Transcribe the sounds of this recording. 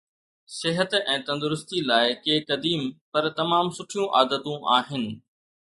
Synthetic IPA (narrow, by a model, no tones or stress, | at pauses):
sɪɦət̪ɛ̃ːt̪ɐ̃nd̪ʊɾʊst̪ilaːɪkeːkɐd̪iːmpɐɾt̪ɐmaːmsʊʈʰijũʔa̰ːd̪ət̪ũʔaːɦɪnɪ̆